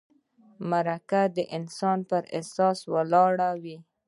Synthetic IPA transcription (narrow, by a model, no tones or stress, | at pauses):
maɾakad̪əʔɪnsɑnpəɾesɑswalɑɽawi